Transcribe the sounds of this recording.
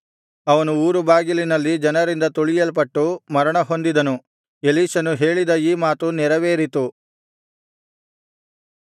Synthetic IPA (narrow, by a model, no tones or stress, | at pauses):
ɐʋɐnuuːɾubaːɡilinɐlːid͡ʒɐnɐɾind̪ɐt̪oɭijɐlp̬ɐʈːumɐɾɐɳɐɦo̞nd̪id̪ɐnu | eliːʃɐnuɦe̞ːɭid̪ɐiːmaːt̪unɛɾɐʋeːɾit̪u